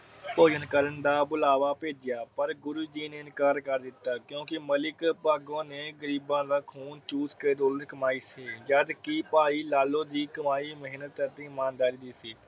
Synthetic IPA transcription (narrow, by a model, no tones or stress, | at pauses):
poːd͡ʒənkəɾənd̪aːbʊlaːʋaːpeːd͡ʒɪjaːpəɾɡʊɾuːd͡ʒiːneːɪnkaːɾkəɾd̪ɪt̪ːaːkjõːkɪməlɪkpaːɡõːneːɡəɾiːbãːd̪aːkʰuːnt͡ʃuːskeːd̪oːlət̪kəmaːiːsiːjaːd̪kipaːiːlaːlõːd̪iːkəmaːiːməɦiːnət̪ət̪ĩːɪmaːnd̪aːɾiːd̪iːsiː